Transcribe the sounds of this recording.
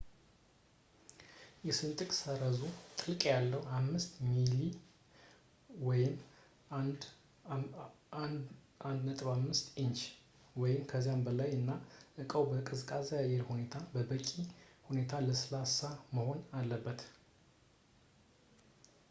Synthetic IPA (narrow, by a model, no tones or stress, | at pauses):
jɛsɨnt̪ʼɨkʼsəɾəzut̪ʼɨlkʼjalːəwamːɨst̪mili | wɔjɪm | d | n | and̪nət̪ʼβamːɨst̪int͡ʃ | wɔjɪmkʰəzijambəlajɨnːaʔɨkʼəwbəkʼɨzɨkʼazjajɛɾhune̞t̪ʰabəbəkʼihune̞t̪ʰaləsɨlasaməho̞nalːəbːət̪